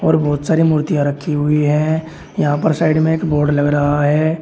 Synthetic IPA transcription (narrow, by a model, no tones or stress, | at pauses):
ɔːɾbɔːt̪saːɾimuːɾt̪ijãɾɐkʰːiɦʊiɦɛ̃ | jɐɦãpɐɾsaːɪɖmẽeːkboːɾɖlɐɡɾɐɦaɦɛː